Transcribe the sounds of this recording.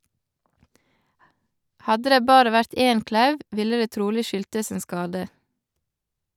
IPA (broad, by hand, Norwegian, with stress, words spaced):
ˈhɑdə ˈdeː ˈbɑːɾə ˈʋæɾt ˈeːn ˈklɑʉʋ ˈʋɪlə ˈdeː ˈtɾuːlɪ ˈʃʏltəs ˈeːn ˈskɑːdə